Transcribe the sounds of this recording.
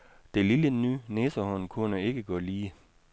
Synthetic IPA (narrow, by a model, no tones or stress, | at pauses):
d̥e̝lilənyːneːsɐhɔ̽nkʰunəe̝ɡ̥əɡ̥ɔ̽liː